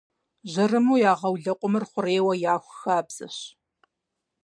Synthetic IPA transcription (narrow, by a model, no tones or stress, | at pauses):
ʑɐrɨmuːjaːʁɐwɮɐqʷʼʊmɨrχʷʊreːwɐjaːxʷxaːbz̥ɨ̰ɕ